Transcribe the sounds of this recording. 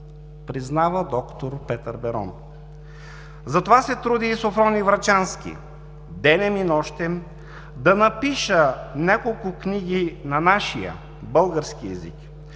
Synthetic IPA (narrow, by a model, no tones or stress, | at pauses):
pɾiznavəd̪ɔkt̪oɾpɛt̪əɾbɛɾɔ̰n | zɐt̪ovasɛt̪ɾud̪iːsofɾɔnivɾɐt͡ʃanskʲḭ | d̪ɛnɛminɔʃt̪ɛm | d̪ɐnɐpiʃənʲakolˠkʊkniɡ̟inɐnaʃijə̰ | bɤlˠɡəɾskiɛzḭk